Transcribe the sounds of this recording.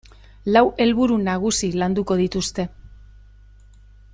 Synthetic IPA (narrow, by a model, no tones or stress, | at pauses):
lawʔe̞lβuɾunaɣ̞usiland̪uko̞ðit̪ust̪e̞